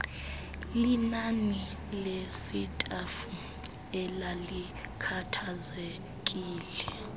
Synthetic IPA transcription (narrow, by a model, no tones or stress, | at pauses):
linani | lesitʼɛf | ɛlali | kʰatʰaze | kʼiːlɛ